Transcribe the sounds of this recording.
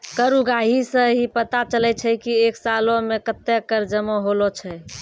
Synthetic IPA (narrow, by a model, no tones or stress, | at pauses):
kəɾuɡaɦisə̃ɦipət̪at͡ʃəlɛt͡ʃʰɛkieksalõmekət̪ːekəɾd͡ʒəmoɦolot͡ʃʰɛ